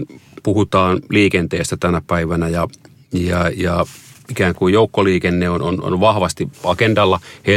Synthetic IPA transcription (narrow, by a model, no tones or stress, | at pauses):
puhut̪ɑːnliːkent̪eːst̪æt̪ænæpæiʋænæjɑ | jɑjɑikæːŋkujjoukːoliːkenːeono̰no̰nʋɑhʋɑst̪iɑkendɑlːɑhe